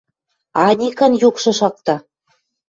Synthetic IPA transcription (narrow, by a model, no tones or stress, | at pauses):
ɑnʲikə̆njukʃɤ̆ʃɑk̚t̪ɑ